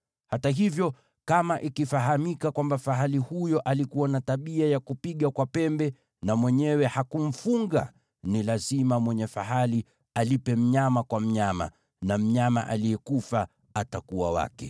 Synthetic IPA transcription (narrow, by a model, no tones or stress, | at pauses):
hataɦivjɔ | kamaʔikifaɦamikakwambafaɦalihujɔʔalikuwanataɓiajakupiɠakwapɛmbɛ | namwɛɲɛwɛhakum̩fuŋɡa | nilazimamwɛɲɛfaɦali | alipɛm̩ɲamakwam̩ɲama̰ | nam̩ɲama̰ʔa̰lijɛkufa | atakuwa̰wa̰kɛ